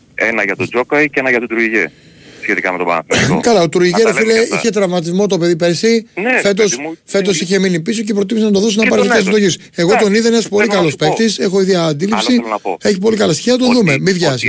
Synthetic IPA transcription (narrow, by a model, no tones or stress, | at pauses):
enɐʝɐt̪od͡zokɐicenɐʝɐt̪ut̪ɾuiʝḛ | sçet̪ikɐme̞t̪obɐ̰ɐ̰θkɐlɐot̪ɾuiʝeɾofileiçe̞t̪ɾɐvmɐt̪̬izmo̞t̪o̞pe̞ðipeɾsife̞t̪o̞sfe̞t̪o̞siçe̞minipiso̞cepɾot̪imisenɐt̪oðosonɐpɐɾet̪esed̪o̞çis | e̞ɣo̞t̪o̞niðenespo̞likɐlospe̞kt̪ise̞xo̞iðiɐːnd̪ilipsieçipo̞likɐlɐst̪i̥çiɐnɐt̪oðume̞mivʝɐsi